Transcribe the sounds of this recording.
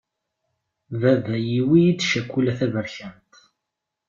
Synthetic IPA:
vævæjiwijid̪ʃækʷːulæθævəɾçænt̪

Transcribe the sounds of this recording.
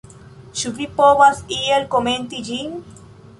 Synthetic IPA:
ʃuβipoβasielkoment̪id͡ʒiŋ

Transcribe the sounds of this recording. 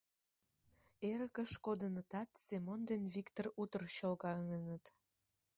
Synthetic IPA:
eɾəkəʃkod̪ənət̪ɑt̪semond̪enβikt̪orut̪ərɕolɣɑəŋənət̪

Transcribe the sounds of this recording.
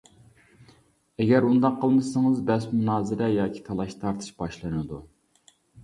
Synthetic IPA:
ɛɡʲɛɾund̪ɑqʰːəlˠmɨsɨŋɨzbɛsmunɑːzɨɾɛjɑːkʲʰi̥t̪ʰɑlˠɑʃt̪ʰɑɾt̪ʰɨ̥ʃb̥ɑʃlˠɨnɨd̪u

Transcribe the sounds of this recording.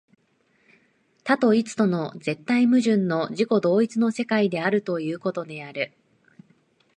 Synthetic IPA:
t̪at̪o̞it͡sɨ̥t̪o̞no̞d͡ze̞t̪ːaimɯ̟ʑɨ̃nːo̞ʑiko̞d̪o̞ːit͡sɨno̞se̞kaid̪e̞aɾɯ̟t̪o̞jɯ̟ːko̞t̪o̞d̪e̞aɾɯ̟

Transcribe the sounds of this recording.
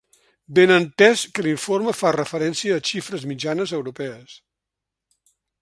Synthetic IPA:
benənt̪ɛskəliɱforməfarəfəɾɛnsiəːʃifɾəzmid͡ʒanəzəwɾupɛəs

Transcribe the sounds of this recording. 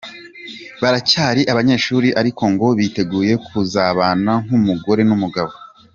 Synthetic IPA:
βaɾacaːɾiʔaβaɲe̞ːʃuːɾiʔaɾikʰo̞ŋɡo̞βite̞ɡuːje̞kʰuzaːβaːnaŋ̥umuɡo̞ɾe̞numuɡaβo̞

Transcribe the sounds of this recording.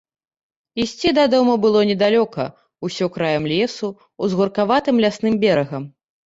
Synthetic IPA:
isʲt͡sʲid̪ad̪ɔmɐbɨlˠɔnʲɛd̪alʲɔkɐ̰ | usʲɔkɾajɐmlʲɛsu | uzɣurkavat̪ɨmlʲasnɨmbʲɛɾɐɣɐm

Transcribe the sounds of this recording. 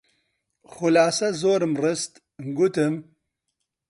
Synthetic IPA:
xʊlaːsɐzoːɾɨmrɨst̪ | mɡʊt̪ɨm

